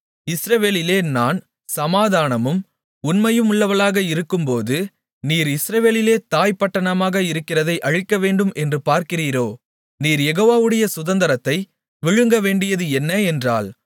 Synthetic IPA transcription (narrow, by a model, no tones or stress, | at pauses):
ɪsɾɐʋeːlɪleːnaːn | sɐmaːðaːnɐmɯm | ʊnmɐjɯmʊɭːɐʋɐlaːɣɐɪɾɯkːɯmpoːðɯ | niːɾɪsɾɐʋeːlɪleːt̪aːjpːɐʈːɐɳɐmaːɣɐɪɾɯkːɪrɐðɐɪʔɐɻɪkːɐʋeːɳɖɯmʔɛndrɯpaːɾkɪriːɾoː | niːɾjɛɣoːʋaːʋɯɽɐjɐsʊðɐnd̪ɐɾɐt̪ːɐɪ | ʋɪɻɯŋɡɐʋeːɳɖɪjɐðɯɛnːɐɛndra̰ːl